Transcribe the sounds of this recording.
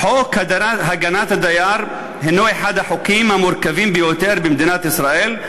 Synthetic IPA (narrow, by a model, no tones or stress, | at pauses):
ħokhad̪ɦaɡanat̪had̪ajaːɾˤ | henːoeħad̪aħokimamʊɾkaviːmbejot̪eɾbemd̪inat̪isɾaʔel